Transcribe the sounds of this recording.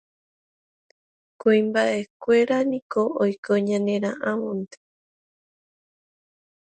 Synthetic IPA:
kuimbaʔe̞kʷeɾanĩkoojkoɲãnẽɾ̃ãʔãmõnt̪e̥

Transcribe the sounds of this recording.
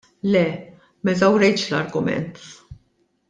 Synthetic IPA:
lɛ | mɛzɐwɾɛjt͡ʃlɐɾɡʊmɛ̰nt̪

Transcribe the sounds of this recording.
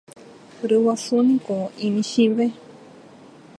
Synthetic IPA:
ɾɨwasunĩkoĩmĩʃiβe

